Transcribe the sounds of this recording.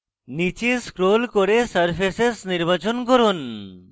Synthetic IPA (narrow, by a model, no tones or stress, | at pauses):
nit͡ʃeskɾolkoɾesəɾpʰesesniɾbat͡ʃonkoɾon